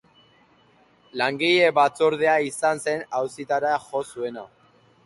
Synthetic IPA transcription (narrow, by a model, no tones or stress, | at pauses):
laŋɡiʎe̞βat͡soɾð̞e̞aisanse̞nawsit̪aɾaʝo̞sue̞na